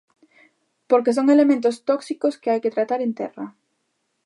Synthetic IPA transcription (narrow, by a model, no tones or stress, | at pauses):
poɾkes̬oŋelemẽnt̪ost̪ɔksikoskɪajket̪ɾat̪aɾent̪ɛrɐ